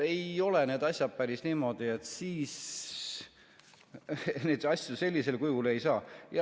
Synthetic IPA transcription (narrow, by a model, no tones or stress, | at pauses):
e̞jo̞le̞ne̞ːd̪̥ɑsʲjɑd̪̥̚pæɾisniːmo̞d̪̥ie̞t̪siːs | ned̪ɑsʲjuse̞lʲːise̞lkujule̞jsɑːjɑ